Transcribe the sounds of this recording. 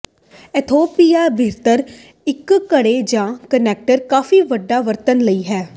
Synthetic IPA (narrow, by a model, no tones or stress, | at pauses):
ɛt̪ʰoːpijaːbʱiɾt̪əɾ | ɪkkəɽeːd͡ʒãːkənɛːk̚ʈəɾkaːfiːʋəɖːaːʋəɾt̪ənləiːɦɛː